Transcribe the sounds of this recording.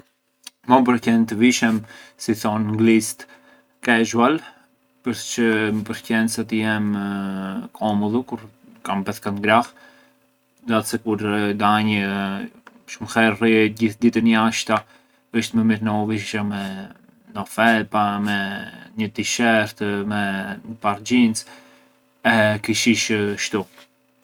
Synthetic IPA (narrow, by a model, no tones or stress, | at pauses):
mɔmp̬əɾcɛnt̪əviʃɛmsiθɔnŋɡlist̪ | kɛʒual | pəɾst͡ʃəpəɾcɛnsat̪əjɛm | kʰɔmɔðukuɾ | kampɛskat̪ɡɾah | d̪at̪sɛkuɾd̪aɲə | ʃumxɛɾriɟiθd̪it̪əniaʃt̪a | əʃt̪məmiɾnɛɔviʃamɛ | nɔfɛlpamɛɲət̪iʃɛɾt̪mɛəpaɾd͡ʑint͡s | ɛkiʃiʃʃt̪u